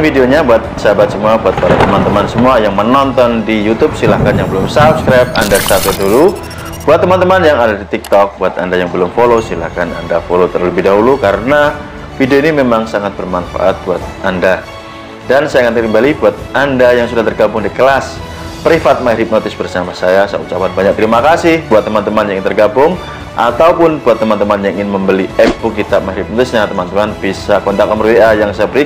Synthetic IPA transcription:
nfideoɲabuat̪̚ə̥səɦabat̪̚səmuabuat̪̚padat̪əmant̪əmansəmuajaŋmənɔnt̪ɔndijut̪ʊp̚silahkanjaŋbəlʊmsap̚skɾajp̚a̰ndasat̪udulu | b̥uat̪ːəmant̪əmanjaŋadadit̪ik̚t̪ɔk̚buat̪andajaŋbəlʊmfolosila̰hkana̰ndafolot̪ərləbɪhdaɦulukaɾəna | fideoinimemaŋsaŋat̪̚bərmanfa̰ʔat̪̚buat̪̚ʔanda | dansajaŋanakəmbalibuat̪̚andajaŋsudaht̪ərɡabʊŋdikəlas | pɾifat̪̚maɾip̚not̪ɪsbərsamasajasajaut͡ʃapanbaɲak̚t̪ɾimakasɪhbuat̪ːəmant̪əmanjaŋiŋɪnt̪ərɡabʊŋ | ʔa̰t̪awpʊnbuat̪ːəmant̪əmanjaŋʔiŋɪnməmbəliɛpukit̪ap̚maiɾip̚not̪ɪsɲat̪əmant̪əmanbisakɔnt̪akɔmərweʔajaŋsajabəɾi

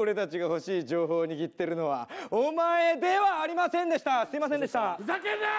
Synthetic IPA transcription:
oɾe̞t̪at͡ɕiɡaho̞ɕiːd͡ʑo̞ːɦo̞ːɲ̟iɡʲit̪ːe̞ɾɯ̟no̞βa̰omae̞d̪e̞βaːɾʲimasẽ̞nd̪e̞ɕi̥t̪asɨimas̬ẽnd̪e̞ɕit̪aake

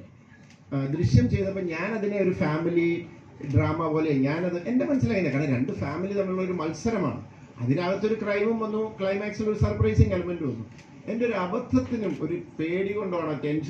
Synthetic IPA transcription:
d̪ɾiɕjɐmt͡ɕe̞jnːɐpːoːɲaːnɐðine̞o̞ɾufaːmili | ɖraːmɐpo̞ːle̞ɲaːnɐðɨʔe̞nde̞mɐnɐsːilaːjind̪ɐkaːɳeɾe̞ɳɖɨfaːmilit̪ɐmːiɭuɭːɐo̞ɾumɐlsɐɾɐma̰ːɳɨ̰ | ɐ̰ðinaːɭɐt̪ːo̞ɾukrɐjmumʋɐnːukɭɐjmaːksilo̞ɾusɐrprɐjsiŋkɐlumenduʋɐnːu | e̞ndeo̞ɾuɐbɐd̪ʱːɐt̪ːinumo̞ɾupe̞ːɽiɣo̞ɳɖoːaɳɐte̞nʂ

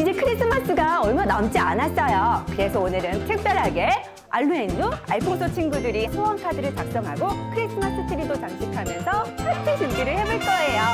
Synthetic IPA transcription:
id͡ʑe̞kʰɯɾis͈ɯmas͈ɯɡaʌɭmanamt͡ɕ͈ianas͈ʌjokɯɾe̞sʰʌonɯɾɯntʰek̚t͈aɭɦaɡe̞ | a̰ɭːuenːua̰ɭpʰoŋsʰot͡ɕʰinɡudɯɾihawankʰadɯɾɯɭt͡ɕak̚s͈ʌŋɦaɡokʰɯɾis͈ʰɯmas͈ɯt͡ɕʰɯɾidot͡ɕaŋt͡ɕʰikʰamjʌnsʰʌkʰatʰit͡ɕimbiɾɯɭhe̞boɭk͈ʌejo

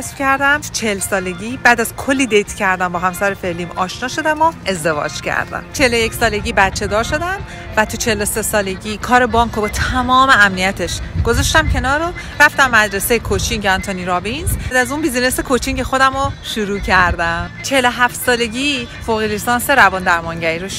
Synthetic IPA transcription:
æsfcʰæɾd̪æmt̪ʰu̥t͡ʃʰelsɒːle̞ɟiːbæːd̪æz̥kʰolːiːd̪ejt̪ʰcʰæɾd̪æmbɒːɦæmsæɾefe̞liːmɒːʃnɒːʃo̞d̪æmoe̞zd̪e̞vɒ̰ːd͡ʒcʰæ̰ɾd̪æ̰mt͡ʃʰelojecsɒːle̞ɟiːbæt̪t͡ʃʰe̞d̪ɒːɾʃo̞d̪æm | væt̪ʰut͡ʃʰelose̞sɒːle̞ɟiːkʰɒːɾe̞bɒːŋkʰobɒːt̪ʰæmɒːme̞æmnijæt̪ʰeʃɡ̥o̞zɒʃt̪æmcʰe̞nɒːɾo | ɾæft̪æmːæd̪ɾe̞sejekʰot͡ʃʰincʰeɒnt̪ʰoniɾɒːvinzd̪æzunbizine̞sekʰot͡ʃʰince̞xo̞d̪æmoʃuɾuːcʰæɾd̪æmt͡ʃʰeheloɦæft̪sɒːle̞ɟiːfoɣilist̪ɒːnse̞ɾævɒːnd̪æɾmɒŋɟæɾiɾoʃ

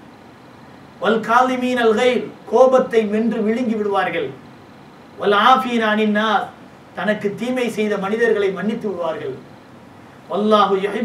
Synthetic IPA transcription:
ʋɐlkaːðɪmiːnɐlɣɐɪɾkoːbɐt̪ːɐɪmɪndrɯʋɪɻɪŋɡɪʋɪɽɯʋaːɾɣɐɭ | ʋɐlaːfɪjɐnɐnɪnːaːɾ | t̪ɐnɐkːɯt̪ːiːmɐɪsɛjðɐmɐnɪðɐɾɣɐɭɐɪmɐɳːɪt̪ːɯʋɪɽɯʋaːɾɣɐɭ | ʋɐlˠːaːɦʊjʊħɪ

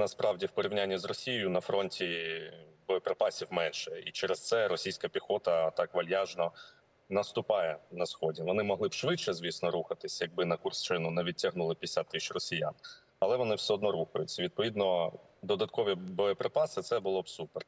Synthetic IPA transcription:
nɐspɾʔɑwdʲiwpɔɾʲiwnʲanʲːizrɔsʲijjʊnɐfɾɔnʲtʲi | bɔjɔpɾepɑsʲiwmɛnʃɛit͡ʃɛɾɛst̪ɛɾɔsʲijsʲkɐpʲixɔt̪ɐt̪ɑkʋɐlʲjaʒnɔ | nɐst̪ʊpɑjɛnɐsxɔdʲiʋɔnɪmɔɦlɪbʃʋɪt͡ʃɛzʲʋʲisnɔɾuxɐt̪ɪsʲjɐɡ̚bɪnɐkʊrst͡ʃɪnʊnɛʋʲid̚ʲtʲɐɦnulˠɪpʲisʲat̪ːɪʃrɔsʲija̰n | ɐlˠɛʋɔnɪwsʲɛɔd̪nɔɾuxɐjʊt͡sʲːɐʋʲid̪̚pɔʋʲid̪nɔ | d̪ɔd̪ɐt̪kɔʋʲibɔjɔpɾɪpɑsɪt̪sɛbʊlˠɔbsupɛr

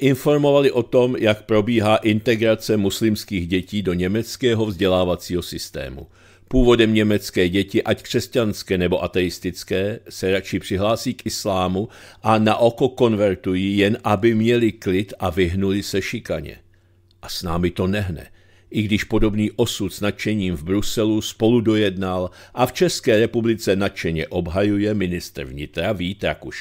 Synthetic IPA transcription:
ʔɪnfo̞ɾmo̞valɪʔo̞t̪o̞mjakpɾo̞biːɦaːʔɪnt̪ɛɡɾat͡sɛmuslɪmskiːɣɟɛciːdo̞ɲɛmɛt͡skɛːɦo̞vzɟɛlaːvat͡siːɦo̞sɪst̪ɛ̰ːmṵ | puːvo̞dɛmɲɛmɛt͡skɛːɟɛcɪʔackr̝̥ɛscanskɛːnɛbo̞ʔat̪ɛjɪst̪ɪt͡skɛːsɛɾat͡ʃɪpr̝̥ɪɦlaːsiːkʔɪslaːmuʔanaʔo̞ko̞ko̞nvɛɾt̪ujijɛnʔabɪmɲɛlɪklɪt̪ʔavɪɦnulɪsɛʃɪkaɲɛ̰ | ʔasnaːmɪt̪o̞nɛɦnɛ̰ | ʔɪɡdɪʃpo̞do̞bniːʔo̞sut̪snat̪̚t͡ʃɛɲiːmvbɾusɛluspo̞ludo̞jɛdnalʔaft͡ʃɛskɛːɾɛpublɪt͡sɛnat̪̚t͡ʃɛɲɛʔo̞bɦajujɛmɪnɪst̪ɾ̩vɲɪt̪ɾaviːt̪ɾakuʃ

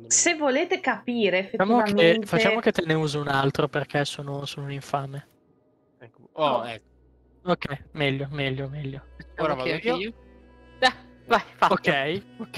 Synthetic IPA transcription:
sevoleːt̪ekapiːɾeefeːaːmoakenfat͡ʃːaːmoket̪ːeneuːziunalt̪ɾoperk̟ʰɛsoːnosoːnouniɱfaːme | ɛɔɛkː | okːɛjmɛʎːomɛʎːomɛʎːoɾaa | ɛvajfaokːɛjokː

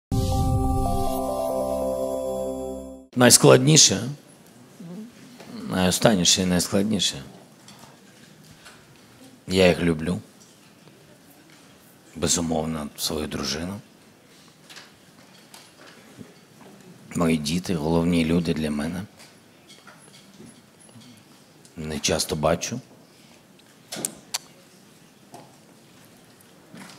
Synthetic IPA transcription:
nɐjsklˠɐdʲnʲiʃɛ | nʔɐ̰jɔst̪ɑnʲːiʃɛinɐjsklˠɐdʲnʲiʃɛ | jajixlʲʊblʲu | bɛzʊmɔwnɐsʋɔjud̪ɾʊ̰ʒɪnʊ | mɔjidʲit̪ɪɦɔlˠɔwnʲilʲud̪ɪd̪lʲɐmɛnɛ | nɛt͡ʃɑst̪ɔbɑt͡ʃʊ

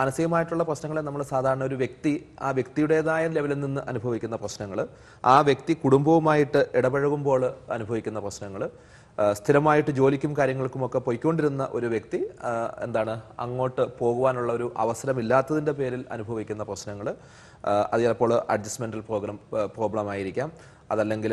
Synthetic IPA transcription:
mɐnɐsiɣɐmaːjiʈːuɭːɐprɐɕnɐŋːɐɭenɐmːɐɭsaːd̪ʱaːɾɐɳɐo̞ɾuʋje̞kt̪ia̰ːʋje̞k̚t̪ijuɽeːðaːjɐle̞ʋɐlilninːɨʔɐnubʱɐʋikʲːunːɐprɐɕnɐŋːɐɭ | aːʋjek̚t̪ikuɽumbɐʋumaːjiʈːɨʔɛɽɐbɐɻɐɣumbo̞ːɭɐ̰nubʱɐʋikʲːun̪ːɐprɐɕnɐŋːɐɭ | st̪ʰiɾɐmaːjiʈːɨd͡ʑo̞ːlikʲːumkaːɾjɐŋːɐɭkːumo̞kːe̞po̞jkʲːoɳɖiɾunːɐ̰ʔo̞ɾuʋje̞k̚t̪ie̞̰nd̪aːɳɨɐ̰ŋːo̞ːʈːɨpo̞ːɣuʋaːnuɭːɐo̞ɾuʔɐ̰ʋɐsɐɾɐmilːaːt̪ːɐðinde̞pe̞ːɾilɐ̰nubʱɐʋikʲːunːɐprɐɕnɐŋːɐɭ | ɐ̰ðijalpːo̞ːɭʔɐ̰ɖd͡ʑɐsmeɳɖɐlpro̞ːɡrɐmpro̞ːɡɭɐmaːjiɾikʲːaːm | ɐ̰ðɐlːe̞ŋɡil

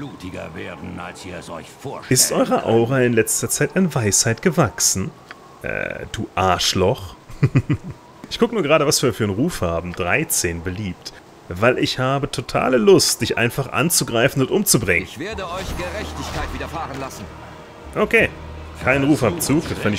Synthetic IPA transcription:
b̥luːtʰɪɡɐ̰vḛːɐdn̩a̰lsiːɐzɔ̰ʏçfoːɐʃɪstʔɔʏʁɐʔa̰ʊʁaɪnlɛt͡stɐt͡saɪtanvaɪshaɪtɡ̥əvaksn̩ | ʔɛ̰ːd̥uːʔaɐʃlɔχ | ʔɪçkʰʊkənuːɐɡəʁaːɾəvasv̥iːɐfyːɐənʁuːfhaːbm̩dʁaɪt͡seːnbəliːpt | vaɪlʔɪçhaːbətʰotʰa̰ːləlʊstd̥ɪçʔa̰ɪnfaχʔa̰nt͡suɡʁaɪfn̩ʊntʔʊmt͡subʁɪŋəɪnçv̥eːɐdəʔɔʏçɡ̥əʁɛçtɪçkʰaɪtv̥iːdɐfaːʁənlasn̩ | ʔokʰeː | kʰaɪnənʁuːfhaːbt͡suːk̚d̥ɔfʰandɪ

